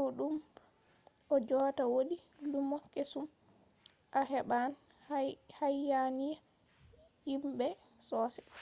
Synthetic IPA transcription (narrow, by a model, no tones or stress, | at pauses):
ɗum | ʔɔd͡ʒɔtawoɗi | lumɔkesum | ʔahɛɓan | hajːanija | jimbɛ | sɔːsɛ̥